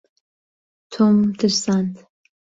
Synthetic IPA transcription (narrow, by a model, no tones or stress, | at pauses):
t̪ʰomt̪ʰɨɾsant̪